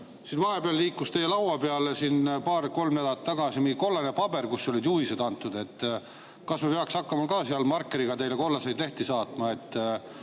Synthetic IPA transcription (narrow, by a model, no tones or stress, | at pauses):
sinvɑɦe̞peɑlːiːkˑːust̪e̞jelɑwɑpeɑlesinpɑːrko̞lmned̪ɑt̪ːɑɡ̥ɑsimiɡiko̞lːɑnepɑb̥e̞rkusːo̞lʲid̪̥juised̪ɑnt̪ːˑud̪̥e̞t̪ːˑ | kɑsmepeɑksɑkˑːɑmɑkɑːseɑlmɑrkːeɾiɡ̥ɑt̪e̞jleko̞lːɑse̞jd̪le̞ht̪isɑːt̪mɑe̞t̪ːˑ